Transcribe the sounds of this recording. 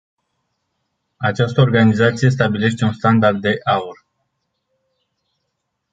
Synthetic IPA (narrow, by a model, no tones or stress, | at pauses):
at͡ʃast̪əorɡanizat̪sije̞s̬t̪abile̞ʃt̪e̞unst̪and̪ard̪̚ːe̞ʔaur